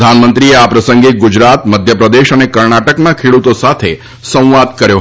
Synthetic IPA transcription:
d̪ʱanmənt̪ɾieapɾəsəŋɡeɡud͡ʒɾat̪məd̪ʱjəpɾəd̪eʃənekəɾɳaʈəknakʰeɽut̪osat̪ʰe | sə̃w̃ʋad̪̚kəɾjo

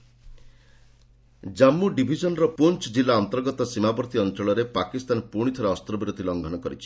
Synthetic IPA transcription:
d͡ʒamːuɖibʱid͡ʒɔnɔɾɔpunt͡ʃd͡ʒilːaɔnt̪ɔɾɡɔt̪ɔsimabɔɾt̪iɔnt͡ʃɔɭɔɾepakist̪anpuɽ̃it̪ʰɔɾaɔst̪ɾɔbiɾod̪ʱilɔŋɡʱɔnɔkɔɾit͡ʃʰi̥

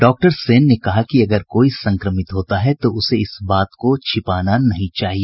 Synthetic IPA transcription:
ɖɔːk̚ʈəɾseːnːekɐɦakiɐɡəɾkoːisɐ̃ŋkɾəmɪt̪ɦoːt̪aɦɛt̪oʊseɪsbaːt̪kot͡ʃʰɪpaːnanɐɦĩt͡ʃaːɦie

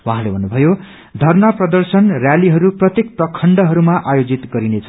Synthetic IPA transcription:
wɦãlebʱʌnːubʱʌjo | d̪ʱʌrnʌprʌd̪ʌrsʌnrjaliɦʌɾuprʌt̪jek̚prʌkʰːʌɳɖʌɦʌɾumaʔajod͡zit̪ɡʌɾinet͡sʰ

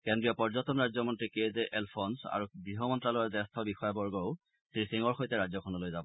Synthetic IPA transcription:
kendɹiɔpɔɹzɔtɔmɹajd͡ʒzɔmɔntɹikezɛʔɛlpʰɔnsa̰ɹubɹiɦɔmɔntɹalɔjɔzɛstʰɔbixɔjɔbɔɹɡɔʊ | tɹisiŋɔɹxojtɛɹazɔkʰɔnɔlojzabɔ

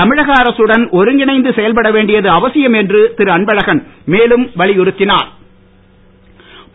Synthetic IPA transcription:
ɐmɪɻɐɣɐːɾɐsɯɽɐnʔɔɾɯŋɡɪɳɐɪnd̪ɯsɛjɐlpɐɽɐʋeːɳɖɪjɐðɯɐʋɐsɪjɐmɛndrɯt̪ɪɾɯɐɳbɐɻɐɣɐnmeːlɯmʋɐɭɪjʊɾɯt̪ːɪnaːɾ

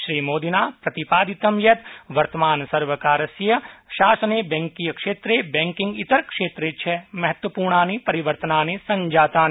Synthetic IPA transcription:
ʃɾiːmoːd̪inaːpɾɐt̪ipaːd̪ɪt̪ɐmjɐt̪ʋɐɾt̪ɐmaːnsɐɾʋəkaːɾɐsjɐʃaːsɐnebɛ̃ŋkijəkʂeːt̪ɾebɛ̃ːŋkɪ̃ŋɡɪt̪ɐɾkʃeːt̪ɾet͡ʃʰɛmɐɦət̪ʋəpuːɾɳaːnipɐɾiʋəɾt̪ənaːnesɐ̃ɲd͡ʒaːt̪aːn

